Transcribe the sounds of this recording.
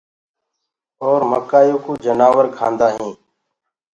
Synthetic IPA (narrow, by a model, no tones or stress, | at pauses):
oːɾməkaːjuːkuːd͡ʒənaːʋəɾkʰã̰ːnd̪aːɦĩː